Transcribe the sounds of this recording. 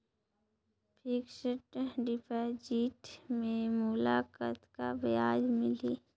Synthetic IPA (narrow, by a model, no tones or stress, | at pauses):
pʰikʃəʈɖɪpʰad͡ʒiːʈmẽmʊlaːkət̪kabɪjaːd͡ʒmɪliː